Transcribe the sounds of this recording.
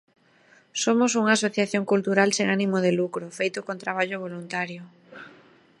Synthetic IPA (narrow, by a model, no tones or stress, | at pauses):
somosuŋasoθjaθjoŋkult̪uɾalseŋanimoð̞elukɾofejt̪ʊkont̪ɾaβ̞aʎoβ̞olunt̪aɾjo